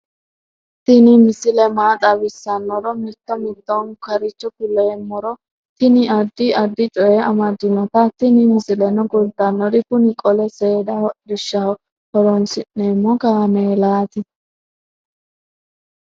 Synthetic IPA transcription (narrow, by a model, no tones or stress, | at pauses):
t̪ɪnɪmɪsɪlɛmaːt̪ʼɐbɪsːɐnːɔɾɔmɛt̪ːɔmɪd̪ːɔŋkɐɾɪt͡ʃːɔkʊleːmːɔɾɔ | t̪ɪnɪɐd̪ːɪɐd̪ːɪt͡ʃʼɔjɛɐmɐd̪ːɪnːɔt̪ɐt̪ɪnɪmɪsɪlɛnɔɡʊld̪ɐnːɔdɪkʊnɪkʼɔlɛseːd̪ɐhɔdɪʃːɐ | hɔɾɔnsɪnːeːmːɔkaːmeːlaːt̪ɪ